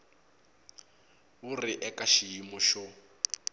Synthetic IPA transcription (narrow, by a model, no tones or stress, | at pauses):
uriʔɛkaʃijimɔʃɔ